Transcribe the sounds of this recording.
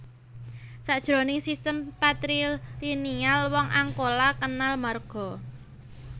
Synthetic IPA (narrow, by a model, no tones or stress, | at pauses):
saʔd̥ʒ̥ɾo̤nɪŋsist̪əmpat̪ɾilinialwɔŋʔaŋkolakənalmarɡ̥ɔ̤